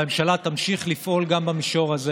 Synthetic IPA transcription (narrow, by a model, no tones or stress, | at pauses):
emʃalat̪amʃiχlifʔo̞lɡambamiʃo̞ʁaze